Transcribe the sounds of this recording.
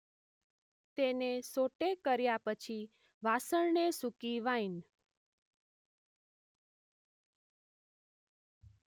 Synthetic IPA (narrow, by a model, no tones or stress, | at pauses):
t̪enesoʈekəɾjapət͡ʃʰi | ʋasəɳnesukiʋain